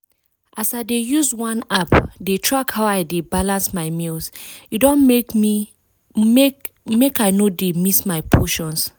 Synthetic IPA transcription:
ʔasaɪdejuzwãnapdetʰɹakhaʊaɪdebalãnsmaɪmilsidɔ̃nmi | e | mekaɪnodemismaɪpʰoʃɔ̃ns

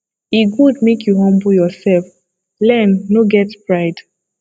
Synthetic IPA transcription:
iɡudmekʰjuɦɔ̃mbujɔsɛlf | lɛ̃nːoɡɛtpɹaɪd̥

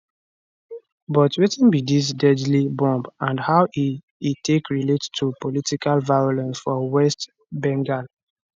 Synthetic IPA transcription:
bɔtwetĩnbidis̬dɛdlibɔ̃mbãnhaʊʔi | itʰekɹilettʰupolitikalvajolɛ̃nsfɔwɛst | bɛ̃ŋɡal

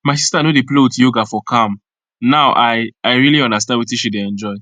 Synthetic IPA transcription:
maɪsistanodeplewtjoɡafɔkʰãm | naʊʔaɪaɪɹiliɔ̃ndastãndwitiʃideɛ̃nd͡ʒɔɪ

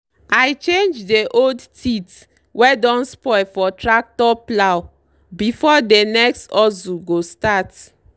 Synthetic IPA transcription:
ajt͡ʃẽnd͡ʒdeʔoldtʰit | wɛdɔ̃nspɔɪfɔtɹak̚tɔplaw | bifɔdenɛkstɔzuɡostat

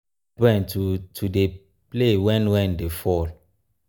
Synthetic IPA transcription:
ɛ̃nttʰude | plewɛ̃nwɛ̃ndefɔl

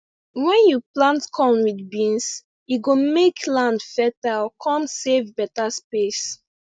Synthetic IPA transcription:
wɛ̃njuplãntkʰɔ̃nwidbĩns | juɡomeklãndfɛtalɔkʰɔ̃msevbɛtaspes

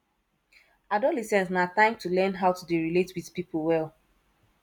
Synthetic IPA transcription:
adɔlisɛ̃nsnatãɪ̃mtulɛ̃nɦaʊtudeɹiletwiðpipol̩wɛl

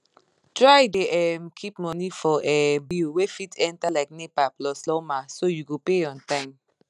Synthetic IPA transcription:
tɹajdeʔɛmkʰipmɔ̃nifɔʔɛbilwefitɛ̃ntalaɪk̚nepaplɔslɔmasojuɡopeɔ̃ntãɪ̃m

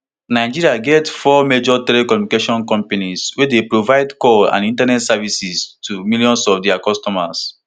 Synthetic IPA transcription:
naɪd͡ʒiɹiaɡɛtfɔmed͡ʒɔtɛlekɔmjunikeʃɔ̃nkɔ̃mpaniswedepɹovaɪdkɔlã̰nĩntanɛtsɛvisistʰumiljɔ̃nsɔfdɛakɔstɔma̰s

